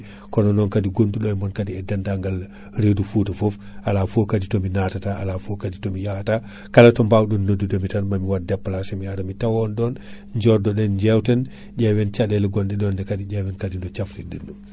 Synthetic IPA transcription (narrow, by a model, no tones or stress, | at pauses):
kɔnɔnɔnkadiɡonduɗɔjmɔnkadiɛdandaŋɡal | ɾedufutafɔf | ʔalafokaditɔminatataʔalafokaditɔmijata | kalatɔmbawɗɔnːodudomitanmamiwadɛpːalasɛmijaɾamitawɔndɔn | ɲd͡ʒɔɾdɔɗɛnɲd͡ʒɛwtɛn | ɟɛwɛnt͡ʃadɛlɛɡɔndɛɗɔndɛkadiɟɛwɛnkadindɔt͡ʃaflidenːum